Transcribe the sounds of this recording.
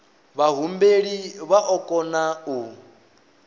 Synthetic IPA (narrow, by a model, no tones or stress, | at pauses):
βaɦumbeɺiβaʔɔkʼɔnau